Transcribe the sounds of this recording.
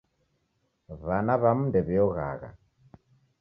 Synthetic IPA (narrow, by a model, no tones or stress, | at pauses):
βanaβamundɛβɛɔɣa̰ɣa̰